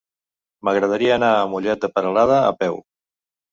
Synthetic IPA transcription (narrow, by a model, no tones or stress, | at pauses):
məɣɾəð̞əɾiəːnaəmuʎɛt̪̚d̪əpəɾəlaðə̰ːpɛw